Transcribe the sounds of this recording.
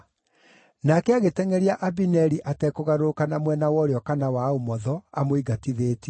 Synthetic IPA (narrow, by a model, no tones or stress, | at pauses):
nakɛaɣetɛŋɛɾiaʔabinɛɾiʔatɛkoɣaɾokanamwɛnawɔɾeɔkanawaomɔðɔamoiɡatiðeːti